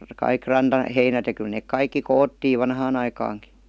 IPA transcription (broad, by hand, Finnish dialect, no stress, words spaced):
kɑik rɑntɑheinæt jɑ kyl neːk kɑikːi koːtːiːʋ ʋɑnhɑːn ɑikɑːŋki